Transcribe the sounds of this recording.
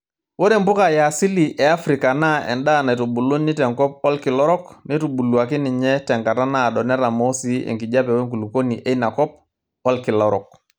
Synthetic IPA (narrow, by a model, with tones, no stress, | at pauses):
wo˦ɾe˨mbʊ˦ka˨ja˨si˦li˨ʔɛ˨a˦fɾi˨ka˨na˦ɛ̰˨nda˦˨na˨i˨to˨bu˨lo˦nːi˦tɛ˨ŋkɔ˦p̚ɔ˦lki˨lɔ˦ɾɔ˦kni˦tu˨bu˨lu˨a˨ki˦ni˨ɲɛ˦tɛ˨ŋka˨ta˦na˦˨dɔ˨nɛ˦ɾa˨mɔ˦si˦ḛ˨ŋki˨ɟa˦pɛ˨we˦ŋku˨lu˨ko˦ni˨ʔe˦na˨kɔ˦p̚ | ɔ˦lki˨lɔ˦ɾɔ˨k̚